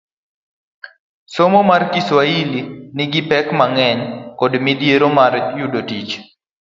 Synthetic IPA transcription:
somomarkiswailinɪɡɪpɛkmaŋɛɲkɔdmidjeɾomarjudotit͡ʃ

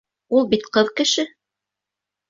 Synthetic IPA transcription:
ulˠbit̪qɤðkɘ̆ʃɘ

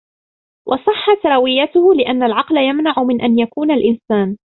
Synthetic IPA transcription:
wʔɑsˤɨħːat̪ɾˤɑwɪjːat̪ʊhʊlɪʔanːalʕɑqlajamnaʕʊmɪnʔanjakuːnalʔɪnsaːn

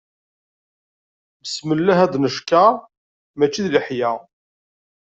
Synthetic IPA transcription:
məsməlːæɦæd̪nəʃkæ | mæt͡ʃːiðləħjæ

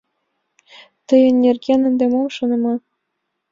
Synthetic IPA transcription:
t̪ɤ̆jɤ̆nʲːerɡʲenɘ̆nd̪emomʃɤ̆nɤ̆mɑ

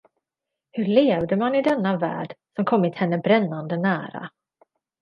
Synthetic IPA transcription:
hɵɭeːvd̪əmanɪd̪ɛnːavæ̰ːɖsɔmkʰɔmːɪt̪hɛnːəbɾɛnːand̪ənæːɾa̰

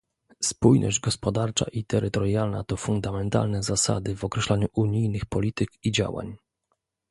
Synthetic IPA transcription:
spujnɔ̰ʑd͡ʑɡɔspɔd̪aɾt͡ʂa̰ʔit̪ɛɾɘt̪ɔɾjalna̰t̪ɔfund̪amɛnt̪a̰lnɛzasa̰d̪ɘvɔkɾɛɕlaɲuʔuɲijnɘxpɔlʲit̪ɘkid͡ʑa̰wa̰ɲ

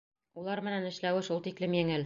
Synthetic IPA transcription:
ulˠɑɾmɘ̆nænɘ̆ʃlæwɘʃulˠt̪iklɘmjɘ̆ŋɘl

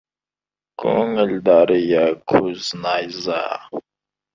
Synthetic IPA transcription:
kʰuŋəldaɾjakʰuznajza̰

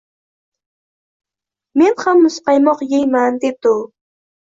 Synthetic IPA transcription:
mɪnɢɑmːʊsqɑjmoχjɪjmant̪ɪt̪ʊ

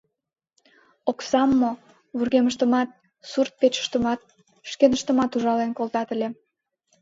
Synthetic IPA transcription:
oksɑmːo | βurɣeməʃt̪əmɑt̪̚ | surt̪̚pet͡ɕə̥ʃt̪əmɑt̪̚ | ʃkenəʃt̪ə̆mɑt̪uʒɑlenkolt̪ɑt̪əlʲe

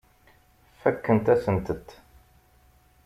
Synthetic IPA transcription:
fækːənt̪æsənt̪ət̪ː

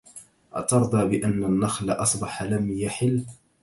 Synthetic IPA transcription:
ʔa̰t̪ɑɾˤd̪ˤɑːbɪʔanːanːaxlaʔɑsˤbɑħlamjaħɪlː

